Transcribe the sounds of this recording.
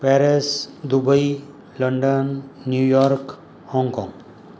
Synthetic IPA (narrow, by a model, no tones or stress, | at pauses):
pɛɾesd̪ubəi | ləɳɖənːjujɔɾk | hɔŋɡkɔ̰̃ŋ